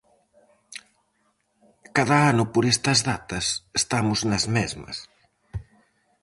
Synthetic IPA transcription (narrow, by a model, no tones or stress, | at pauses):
kaðɐanʊpoɾest̪ɐzðat̪ɐsest̪amʊznɐzmezmɐ̰s